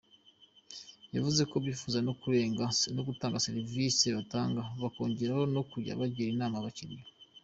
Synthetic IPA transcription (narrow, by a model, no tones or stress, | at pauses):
javuze̞ko̞bjiːfuːzanokuɾeːŋɡanoɡutaːŋɡaseɾiviseβataːŋɡaβako̞ːɲɟe̞ɾaho̞no̞kuɾja̰βaɟiɾinaːmaβaciɾijo